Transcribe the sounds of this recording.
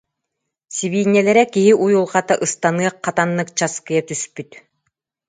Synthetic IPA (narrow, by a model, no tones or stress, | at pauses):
siβiːɲʲːɛlɛɾɛkiɦiʔujulˠʁat̪aʔɯst̪anɯɐq̚ːat̪anːɯkt͡ɕaskɯjat̪yspyt̪